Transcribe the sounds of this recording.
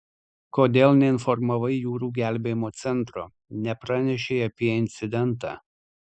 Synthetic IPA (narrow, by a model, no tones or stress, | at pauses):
koːd̪ʲeːlˠnʲɛɪnfɔɾmɐʋɐɪjuːɾuːɡʲæˑlʲbʲeːjɪmoːt̪sʲɛnˑt̪ɾoː | nʲɛpɾɑnʲɛʃʲeɪɐpʲiɛɪnʲt̪sʲɪd̪ʲɛnˑt̪ɑ̰ː